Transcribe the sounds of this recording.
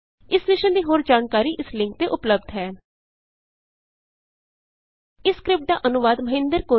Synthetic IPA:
ɪsʋɪʃənd̪iːɦoːɾd͡ʒaːnkaːɾiːʔɪslɪ̃ŋk̚t̪eːʔʊpləb̚d̪ɦɛː | ɪskɾɪp̚ʈ̚d̪a̰ːʔənʊʋaːd̪məɦɪ̃nd̪əɾkoː

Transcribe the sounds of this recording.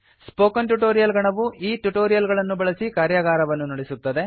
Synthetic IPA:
spoːkɐnʈuʈoːɾijɐlɡɐɳɐʋuʔiːʈuʈoːɾijɐlɡɐɭɐnːubɐɭɐsikaːɾjɐɡaːɾɐʋɐnːunoɽesut̪ːɐd̪e̞

